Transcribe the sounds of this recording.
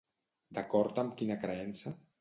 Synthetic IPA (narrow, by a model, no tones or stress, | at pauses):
d̪akɔɾt̪əmkinəkɾəɛnsə